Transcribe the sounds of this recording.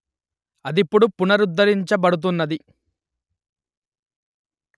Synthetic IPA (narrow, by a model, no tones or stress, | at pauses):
ɐd̪ipːuɽupunɐɾud̪ːɐɾiɲt͡ʃɐbɐɽut̪̬unːɐd̪i